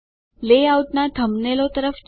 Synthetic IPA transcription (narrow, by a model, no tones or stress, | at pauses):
leauʈnat̪ʰəmnelot̪əɾəf